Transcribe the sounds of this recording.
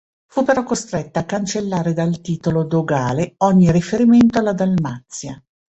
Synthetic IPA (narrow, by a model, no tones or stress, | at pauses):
fupːeɾɔkːost̪ɾɛt̪ːaːkːant͡ʃelːaːɾed̪alt̪iːt̪olod̪oɡaːleɔɲːirifeɾiment̪oalːad̪almat̪sːja